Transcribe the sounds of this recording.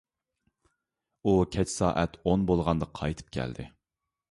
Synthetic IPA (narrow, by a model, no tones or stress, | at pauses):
ukʲʰɛt͡ʃʰsɑ̰ːʔɛt̪ʰonbolˠʁɑnd̪əqʰɑjt̪ʰɨ̥p̚kʲʰæ̰ld̪ɪ̰